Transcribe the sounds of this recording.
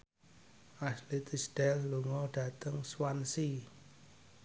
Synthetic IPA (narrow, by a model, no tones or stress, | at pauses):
ʔaslit̪isd̥ɛlːuŋɔɖ̥ä̤t̪əŋswansi